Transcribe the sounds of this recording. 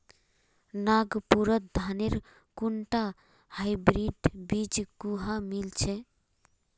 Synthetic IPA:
naɡpuɾət̪̚d̪ʱaneɾ | kuɳʈa | hajbɾiɖbid͡ʒkuɦamilt͡ʃʰɛ

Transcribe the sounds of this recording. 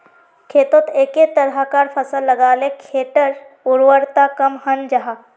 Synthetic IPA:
kʰeːt̪ot̪eːket̪əɾɦakaːɾpʰəsəlːəɡaːlekʰeːʈəɾ | ʊɾwəɾt̪akəmhənd͡ʒɐɦa

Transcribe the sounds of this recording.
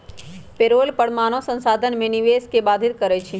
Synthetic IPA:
peɾolpəɽ̤maːnosə̃nsaːd̪ʱənmẽniʋeskebaːd̪ʱɪt̪̚kəɾɛt͡ʃʰi

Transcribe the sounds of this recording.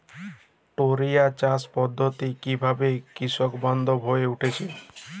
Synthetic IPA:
ʈoɾijat͡ɕaspɔd̪ʱːot̪ikibʱabekɾiʃɔkbɔnd̪ʱobɦoeuʈʰet͡ɕʰe

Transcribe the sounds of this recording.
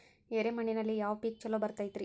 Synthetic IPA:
ɛɾemɐɳinɐlijaːʋpiːk̚t͡ʃɐlːobɐɾt̪ːɐjt̪ːɾi

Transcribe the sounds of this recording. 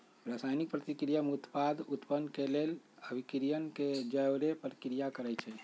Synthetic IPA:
ɾasajnik̚pɾət̪ikɾijamut̪pad̪ʱut̪pənːkeleləbʱikɾijənked͡ʒəwɾepəɾkɾijakəɾɛt͡ʃʰɛ

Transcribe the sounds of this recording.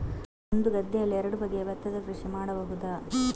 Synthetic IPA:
ond̪uɡɐd̪ːɐjɐlːiɛɾɐɽubɐɡeʋɐt̪ːɐd̪ɐkɾuʂimaːɽɐbɐɦud̪ɐ

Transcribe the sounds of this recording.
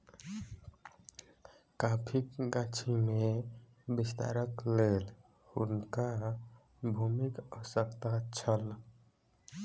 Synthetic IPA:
kapʰikɡat͡ʃʰimẽ | bist̪a̰ːɾəkleːl | ʊ̰nka | bʱumikəsəkt̪at͡ʃʰəl

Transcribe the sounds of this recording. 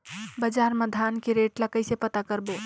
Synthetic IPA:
bəd͡ʒaɾməd̪ʱankeɾeʈlakəɪsepət̪akəɾbo

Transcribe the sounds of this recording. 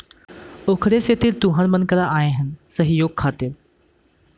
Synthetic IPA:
oːkʰɾeset̪ɪɾt̪ʊɦãnmənkəɾãaːẽɦənsəɦijoːɡ̚kʰaːt̪ɪɾ

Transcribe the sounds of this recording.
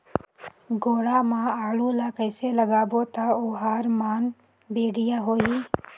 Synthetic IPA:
ɡoːɽaːmãːaːluːlaːkəɪseləɡaːboːt̪aːoːɦaːɾmaːn | beːɽɪjaːɦoːiː

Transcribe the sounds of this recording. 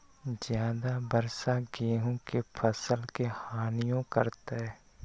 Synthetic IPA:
zjaːd̪abəɾsaɡeːɦõkepʰəsəlkehaːnijõkəɾt̪aɦɛː

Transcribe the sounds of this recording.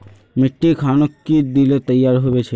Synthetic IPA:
meʈːikʰanokːid̪ilet̪əjːaɾɦobet͡ɕʰe

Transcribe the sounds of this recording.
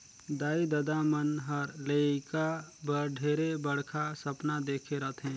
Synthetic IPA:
d̪aːid̪ɐd̪amənɦəɾlekabəɾɖʱeːɾebəɽkʰasɐpnad̪eːkʰeɾɐt̪ʰɦɛ̃ː

